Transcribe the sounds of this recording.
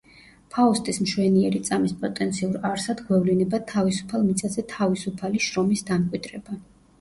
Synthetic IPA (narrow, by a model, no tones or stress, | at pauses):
pʰaust̪ʼismʃwɛniɛɾit̪sʼamispʼɔt̪ʼɛnt̪sʰiuɾaɾsad̪ɡwɛvlinɛbat̪ʰavisu̥pʰalˠmit̪sʰʼazɛt̪ʰavisupʰaliʃɾɔmisd̪amkʼwid̪ɾɛba